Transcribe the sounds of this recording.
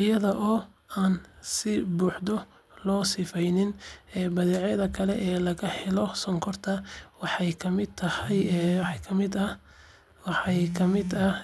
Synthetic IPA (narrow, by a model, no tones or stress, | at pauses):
ʔɪjɐðɐʔɔː | aːnsɪbuːħd̪ɔ | lɔːsɪfɛjnɪnɛːbɐðiːʕjɐðɐkʰɐlɛʔɛːlɐɣɐħɛlɔsɔŋkʰɔrt̪ʰɐwɑħɑjkʰɐmɪd̪̚t̪ʰɐhɐjħkʰɐmɪd̪ɐ | wɑħɑjkʰɐmɪd̪ɐ